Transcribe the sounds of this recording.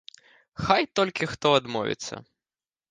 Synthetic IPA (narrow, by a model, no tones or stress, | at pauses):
xajt̪ɔlʲkʲixt̪ɔɐd̪mɔ̰vʲḭt̪sːɐ̰